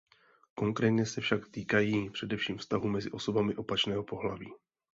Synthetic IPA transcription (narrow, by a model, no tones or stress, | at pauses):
ko̞ŋkɾɛːt̪ɲɛsɛfʃakt̪iːkajiːpr̝̥ɛdɛfʃiːmfst̪aɦumɛzɪʔo̞so̞bamɪʔo̞pat͡ʃnɛːɦo̞po̞ɦlaviː